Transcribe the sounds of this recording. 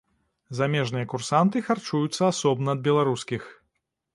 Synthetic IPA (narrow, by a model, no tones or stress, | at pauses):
zamʲɛʐnɨjɐkursant̪ɨxart͡ʂujut̪sːɐasɔbnɐːd̪̚bʲɛlˠaɾuskʲix